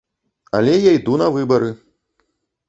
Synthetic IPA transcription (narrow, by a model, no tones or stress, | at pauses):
alʲɛjajd̪unɐvɨbɐɾɨ